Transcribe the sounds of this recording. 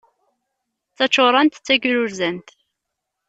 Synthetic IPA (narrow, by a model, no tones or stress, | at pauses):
t͡sːɑt͡ʃːoɾˤɑnt̪t͡sːæɡɾʊɾzænt̪